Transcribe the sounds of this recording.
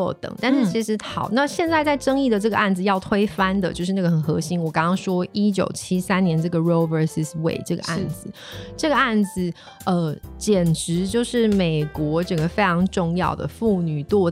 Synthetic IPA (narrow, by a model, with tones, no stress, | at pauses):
t̪ə̰˨˩ŋt̪a˥˧nʂɻ̩˥˩t͡ɕʰi˧˥ʂɻ̩˧˥ɑ˨˩˦ʊna˥˧ɕjɛ˥˧nt͡sa˥˧ɪt͡sa˥˧ɪʈ͡ʂɤ˥ŋi˥˩d̪ə˩ʈ͡ʂɤ˥˩ɡə˧a˥˩nd͡zɹ̩˨˩jɑ˥˩ʊt̪ʰwe˥ɪfa˥nd̪ə˨t͡ɕjo˥˧ʊʂɻ̩˥˧na˥˩ɡə˩xə˨˩nxɤ˧˥ɕi˥nwɔ˨˩kɑ˥ŋkɑ˥ŋʂwɔ˥i˥t͡ɕjo̰˨˩ʊt͡ɕʰi˥sa˥nnjɛ˧˥nʈ͡ʂɤ˥˩ɡə˩ɹo˥ʊvə˧si˥swḛ˥˩ɪʈ͡ʂɤ˥˩ɡə̰˩ʔa̰˥˩nd͡zɹ̩˨˩ | ʈ͡ʂɤ˥˩ɡə˩a˥˩nd͡z̩˨˩ | ə˧t͡ɕjɛ˨˩nʈ͡ʂɻ̩˧˥t͡ɕjo˥˧ʊʂɻ̩˥˩me˨˩ɪkwɔ˧˥ʈ͡ʂɤ˥˩ŋɡə˩fe˥ɪʈ͡ʂʰɑ˧˥ŋʈ͡ʂʊ˥˧ŋjɑ̰˥˩ʊd̪ə̰˩fu˥˩ny˨˩t̪wɔ˥˧